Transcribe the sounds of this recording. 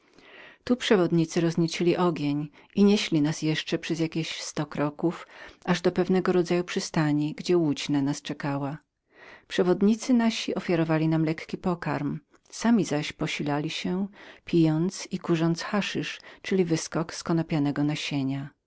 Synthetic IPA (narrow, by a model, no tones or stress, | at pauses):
t̪upʂɛvɔd̪ɲit̪sɘɾɔzɲit͡ɕilʲiʔɔɡʲjeɲ | iɲeɕlʲinasjɛʂt͡ʂɛpʂɛzjakʲeɕst̪ɔkɾɔkufaʐd̪ɔpɛvnɛɡɔɾɔd̪zajupʂɘst̪aɲiɡd͡ʑɛwud͡ʑnanast͡ʂɛkawa | pʂɛvɔd̪ɲit̪sɘnaɕiɔfʲjaɾɔvalʲinamlɛkkʲipɔka̰ɾm | samʲizaɕpɔɕilalʲiɕɛpʲijɔnt̪sikuʐɔnt̪sxaʂɨʂt͡ʂɘlʲivɘskɔkskɔnɔpʲanɛɡɔnaɕeɲa